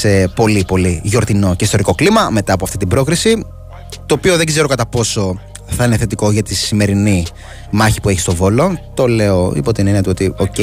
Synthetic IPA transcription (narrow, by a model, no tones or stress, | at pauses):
sepo̞lipo̞liʝo̞ɾt̪ino̞ce̞ist̪o̞ɾiko̞klimɐme̞t̪ɐːpoɐft̪it̪ibɾo̞kɾisi | t̪o̞ːpio̞ðe̞ɡze̞ɾokɐt̪ɐpo̞so̞ | θɐineθe̞t̪iko̞ʝɐt̪isime̞ɾini | mɐçi̥pue̞çi̥st̪o̞vo̞lo̞t̪o̞le̞oḭpot̪ːineniɐt̪uo̞t̪ioce